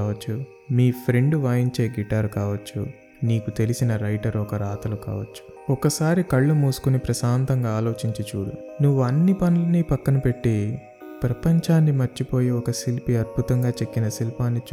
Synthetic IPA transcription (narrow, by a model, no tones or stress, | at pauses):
ɐt͡ʃːu | miːpʰɾe̞ɳɖʋaːjiɲt͡ʃeːɡiʈːaːɾukaːʋɐt͡ʃːu | niːkut̪e̞lisinɐɾɐjʈɐɾɔkɐɾaːt̪ɐlukaːʋɐt͡ʃːu̥ | ɔkɐsaːɾikɐɭːumuːsu̥kunipɾɐsaːnt̪ɐŋɡaːlo̞ːt͡ʃiɲt͡ʃit͡ʃuːɽṵ | nuʋːuɐnːipɐnulɐniːpɐkːɐnɐpe̞ʈːi | pɾɐpɐɲt͡ʃaːnːimɐɾt͡ʃipo̞ːjiɔkɐsilpiɐd̪̚bʱut̪ɐŋɡaːt͡ʃe̞kːinɐsilpaːnːit͡ʃ